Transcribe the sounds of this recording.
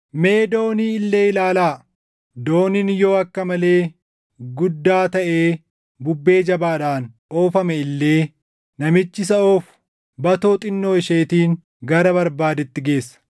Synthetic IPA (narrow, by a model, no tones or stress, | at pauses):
me̞ːd̪o̞ːniːɪlːe̞ːɪlaːlaː | d̪o̞ːnɪnjo̞ːɐkːɐmɐle̞ː | ɡʊd̪ːaːt̪ɐʔe̞ː | bʊbːe̞ːd͡ʒɐbaːᶑaːnʔoːfɐmɛɪlːe̞ː | nɐmɪt͡ʃːɪsɐoːf | bɐt̪oːt̪ʼɪnːo̞ːɪʃeːt̪iːŋ | ɡɐɾɐbɐɾbaːd̪ɛt̪ːɪɡe̞ːsːɐ̥